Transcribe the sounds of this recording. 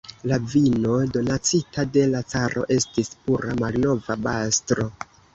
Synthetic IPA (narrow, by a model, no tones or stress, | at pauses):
lavino̞do̞nat͡sitade̞lat͡saɾʔo̞̰ʔe̞stispuɾamalno̞vabastɾo̞